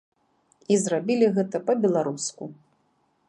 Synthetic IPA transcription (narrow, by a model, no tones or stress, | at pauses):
izrabʲilʲiɣɛt̪ɐpɐbʲɛlˠaɾusku